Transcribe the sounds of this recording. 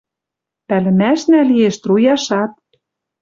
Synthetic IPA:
pælɘ̆mæʃnælieʃt̪rujɑʃɑt̪̚

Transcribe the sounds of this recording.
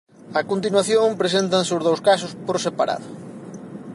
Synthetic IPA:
ɐkont̪inwaθjoŋpɾesent̪ɐnseʊzðowskasʊspoɾsepaɾʔa̰ðʊ

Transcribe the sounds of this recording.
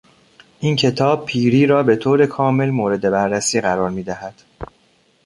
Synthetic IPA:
ʔiːncʰe̞t̪ʰɒːb̚pʰiːɾiːɾɒːbe̞t̪ʰoːɾe̞kʰɒːme̞lmoːɾe̞d̪e̞bæɾːæsiːɣæɾɒːɾmiːd̪æhæd̪̥

